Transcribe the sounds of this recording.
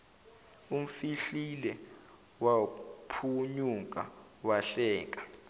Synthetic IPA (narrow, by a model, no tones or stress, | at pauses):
um̩fiɬilɛ | wapʰuɲuk̬ʼa̰ | waɬɛːk̬ʼa